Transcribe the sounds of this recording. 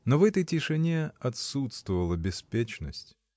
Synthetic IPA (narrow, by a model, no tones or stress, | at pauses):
novɛt̪əjtʲɪʂɨnʲeɐt̪sut̪st̪vəvəlˠəbʲɪspʲet͡ɕnəsʲtʲ